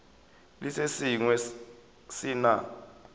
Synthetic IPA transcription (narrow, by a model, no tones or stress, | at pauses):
lisesiŋwɛ | sina